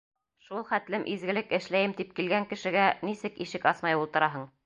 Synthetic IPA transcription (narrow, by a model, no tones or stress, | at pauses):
ʃulˠχæt̪lɘmʔizɡɘ̆lɘkɘ̆ʃlæjɘmt̪ip̚kilɡæŋkɘ̆ʃɘ̆ɡænisɘkiʃɘkɑsmɑjulˠt̪ɤ̆ɾɑɦɤɴ